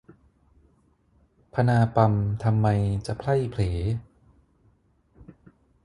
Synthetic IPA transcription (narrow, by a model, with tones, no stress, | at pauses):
pʰa˧naː˧pa˧mt̪ʰa˧mːa˧jt͡ɕa˨˩pʰla˥˩jpʰleː˩˦